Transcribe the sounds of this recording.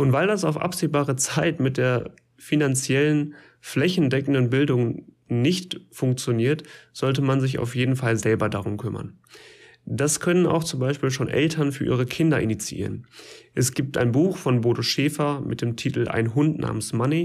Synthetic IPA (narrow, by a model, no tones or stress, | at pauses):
ʔʊntv̥aɪldasaʊfʔa̰pz̥eːbaːʁət͡saɪtmɪt̚d̥eːɐ | finant͡sjɛlən | flɛçn̩dɛkn̩dən̩bɪldʊŋ | nɪçtfʊŋkt͡sjoniːɐtz̥ɔltəmanzɪça̰ʊfjeːdn̩falzɛlbɐdaʁʊmkʰʏmɐ̰n | d̥askʰœnəna̰ʊxt͡sʊmbaɪʃpiːlʃoːnʔɛ̰ltʰɐnfyːɐʔḭːʁəkʰɪndɐʔɪnit͡siʔḭːʁənʔɛsɡ̥iːp̚ta̰ɪnbuːxfɔnboːtoʃeːfɐmʔɪ̰t̚d̥eːmtʰiːtl̩ʔa̰ɪnɦʊntnʔa̰ːmənsmani